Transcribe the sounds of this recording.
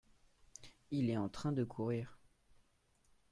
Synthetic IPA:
ilɛɑ̃t̪χɛ̃d̪əkʰuʁiːʁ

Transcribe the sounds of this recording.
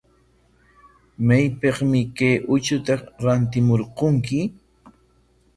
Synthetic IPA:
majpeχmɪkajʔʊt͡ʃʊt̪aɾant̪ɪmoɾqoŋkɪ

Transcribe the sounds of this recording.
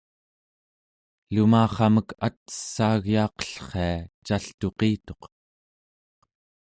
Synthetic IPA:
lumaːχɑməkʰat̪ə̥sːaːɣjɑːqʌ̥ɬχe̞at͡ʃaɬt̪oqiːt̪o̞q

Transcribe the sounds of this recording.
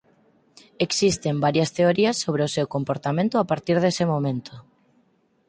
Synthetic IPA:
eksist̪embaɾjɐst̪eoɾiɐsːoβ̞ɾeosewkompoɾt̪amẽnt̪ʊapaɾt̪iɾð̞esemomẽnt̪o

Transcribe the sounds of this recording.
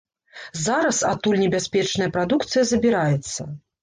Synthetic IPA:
zaɾɐsa̰t̪ulʲnʲɛbʲasʲpʲɛt͡ʂnɐjɐpɾad̪ukt̪sɨjɐzɐbʲiɾajɛt̪sːɐ̰

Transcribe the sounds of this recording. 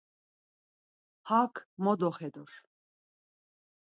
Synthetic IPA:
hakʰmɔd̪ɔχɛd̪ɔɾ

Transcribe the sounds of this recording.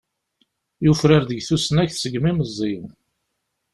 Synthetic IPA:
jufɾəɾðəɡθusnæçθsəɡmiməzːin

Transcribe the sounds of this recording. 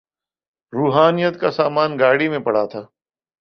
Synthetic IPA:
ɾuːɦaːnijət̪kasaːmaːnɡaːɽimẽpɐɽ̤at̪ʰaː

